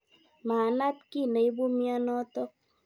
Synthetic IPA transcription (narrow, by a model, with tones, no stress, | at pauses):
maː˨na˦t̚ki˦˨ne˨i˦bo˦mja˦nɔ˦tɔ˦k̚